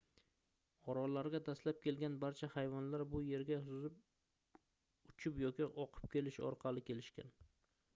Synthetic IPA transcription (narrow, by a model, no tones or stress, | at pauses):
ɒɾɒlaɾɡʲad̪aslap̚kʲʰe̞lɡʲanbaɾt͡ʃʰahajvɒnlaɾbʊje̞ɾɡʲahʊzɪp̚ | ʊt͡ʃʰɪpjɒkʲɪʔɒqʰɨ̥p̚kʲe̞lɪʃɒ̰ɾqʰɑlɪkʲe̞lɪʃkʲa̰n